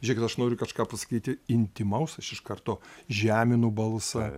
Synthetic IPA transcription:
ʒʲɛkʲɪt̪ɐʃnoːɾʲʊkɐʃkɑːpɐsɐ̥kʲiːt̪ʲɪɪnʲt̪ʲɪmɐʊsɐʃɪʃkɐrt̪oːʒʲæːmʲɪnubɐlˠsɐ

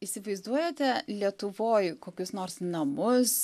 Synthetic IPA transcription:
iːsʲɪʋɐɪzd̪uɔjoːt̪ʲɛlʲiɛt̪ʊʋoːjkoːkʲʊsnoːɾsnɐmʊs

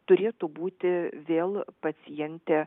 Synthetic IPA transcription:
t̪ʊɾʲeːt̪ʊbuːt̪ʲɪʋʲeːlˠpɐsʲɪjɛnʲt̪ʲe

